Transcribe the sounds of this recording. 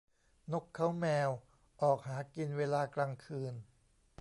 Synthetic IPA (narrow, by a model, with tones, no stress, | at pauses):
no˦˥kʰːa˦˥wmɛː˧w | ʔɔː˨˩k̚haː˩˦ki˧nweː˧laː˧klaː˧ŋkʰɯː˧n